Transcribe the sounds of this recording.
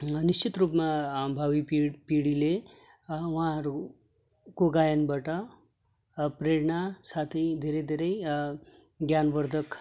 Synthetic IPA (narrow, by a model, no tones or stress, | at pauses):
nist͡ʃit̪ɾupmabʱaʋipipiɽile | ʋãɾu | koɡajənbəʈa | pɾeɽɳasat̪ʰid̪ʱeɾed̪ʱeɾej | ɡjanʋəɾd̪ʱək